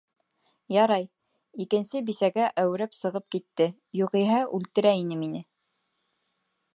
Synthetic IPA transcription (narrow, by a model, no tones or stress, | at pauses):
jɑɾɑj | ikɘ̆nsɘbisæɡæʔæwɘ̆ɾæpsɤ̆ʁɤp̚kit̪ːɘ | juʁiɦæʔʉlt̪ɘ̆ɾæinɘminɘ